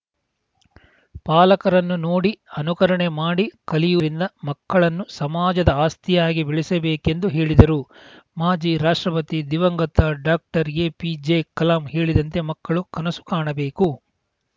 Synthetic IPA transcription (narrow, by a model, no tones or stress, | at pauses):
paːlɐkɐɾɐnːunoːɽiɐnukɐɾɐɳemaːɽikɐlijuɾind̪ɐmɐkːɐɭɐnːusɐmaːd͡ʒɐd̪ɐaːst̪ijaːɡibiɭisɐbeːke̞nd̪uɦe̞ːɭid̪ɐɾu | maːd͡ʒiɾaːʂʈɾɐpɐt̪id̪iʋɐŋɡɐt̪ːaɖaːk̚ʈɐɾeːpid͡ʒekɐlaːmhe̞ːɭid̪ɐnt̪e̞mɐkːɐɭukɐnɐsu̥kaːɳɐbe̞ːku